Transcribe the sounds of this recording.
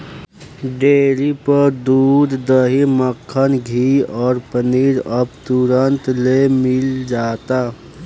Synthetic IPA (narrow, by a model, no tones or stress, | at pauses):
ɖeːlipəɾd̪uːd̪d̪əɦiməkʰːənɡʱiɔːɾpəniːɾəbt̪uɾənt̪lemɪld͡ʒaːt̪a